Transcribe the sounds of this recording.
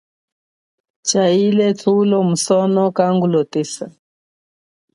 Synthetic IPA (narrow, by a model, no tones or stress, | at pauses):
t͡ʃailɛtʰulɔmusɔnɔkaŋɡulɔtesa